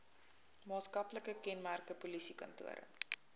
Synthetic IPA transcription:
mɑːtskɐpləkəkɛnmærkəpulisikɐ̰ntṵəɾə̰

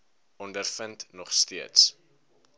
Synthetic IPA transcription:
ɔndərfəntnɔχstiəts

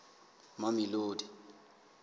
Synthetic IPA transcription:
mamiloːdʱi

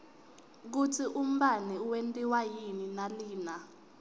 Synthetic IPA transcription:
k̬utʰiʔum̩ɓaniwentʼiwajininaliːna

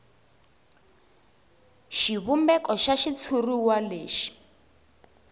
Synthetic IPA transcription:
ʃiβumbɛkɔʃaʃit͡sʰuruwaleːʃi̥

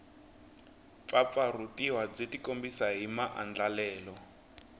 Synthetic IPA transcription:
fap̪farutiɦwab͡ʐetikombisaɦimaʔand͡ɮalɛːlɔ

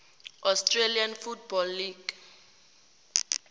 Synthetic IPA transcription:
ʔɔstrelianfutbɔlːiɡ̥

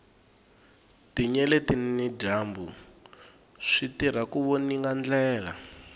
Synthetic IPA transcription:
tiɲɛlɛtinnid͡ʒaːmbu | ʂitiɾ̤akuβoniŋɡand͡ɮɛːla̰

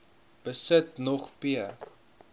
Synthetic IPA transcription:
b̥əsətnɔχpiə

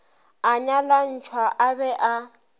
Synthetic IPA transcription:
aɲalan̩t͡ʃʰwaʔabɛʔa

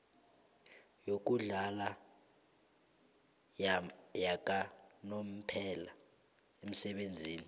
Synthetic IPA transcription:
jok̬uɮala | jak̬ʼanom̩pʰɛla | em̩sɛɓend͡zʱiːni

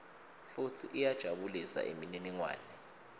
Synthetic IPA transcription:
futʰiʔijad̥ʒ̥ʱaɓulisa̰ʔḛmininiŋwa̰ːnɛ

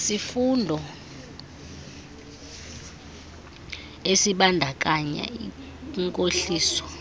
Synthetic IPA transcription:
sifundʱɔ | esiɓandʱak̬ʼaɲa̰i | ŋkʼoɬiːsɔ̥

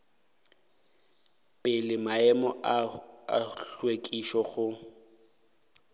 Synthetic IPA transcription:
pʼɪlɪmaɛmɔ | a̰ɬwekʼiʃɔɣʊ

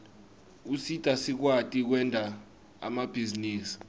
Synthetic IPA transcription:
usitʼasik̬watʼik̬wɛndʱa | a̰mab̥ʱiziniːsi̥

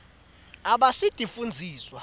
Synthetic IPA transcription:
aɓasid̥ʱifund͡zʱiːswa

